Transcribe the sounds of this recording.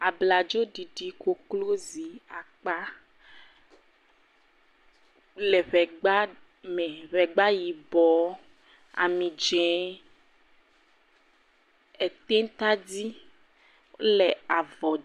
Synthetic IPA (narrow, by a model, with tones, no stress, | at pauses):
a˨bla˨d͡ʒɔ˦ɖi˨ɖi˨ko˦klo˦zi˨a˨k͡pa˦ | le˨ɸɛ˨ɡ͡ba˦ | me˨ɸɛ˨ɡ͡ba˦ji˨bɔ˨ | a̰˨mĩ˨d͡ʒɛ̃˨ | e˨t̪e˦n˦t̪a˦di˦ | le˨a˨vɔ˨